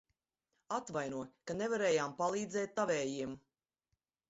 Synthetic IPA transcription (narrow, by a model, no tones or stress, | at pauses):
at̪vajnuɔkanevaɾɛːjaːmpalˠiːd̪zɛːt̪̚ːavɛːjiɛm